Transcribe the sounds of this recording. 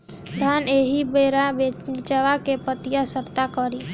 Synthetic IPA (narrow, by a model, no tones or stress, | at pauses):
d̪ʱaneːɦibeɾabet͡ʃaʋakepət̪ɪjasəɾt̪akəɾi